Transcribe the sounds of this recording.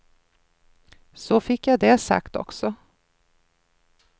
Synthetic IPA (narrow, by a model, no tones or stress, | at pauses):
sɔfɪkːjad̪ɛsa̰kt̪ɔ̰ksɔ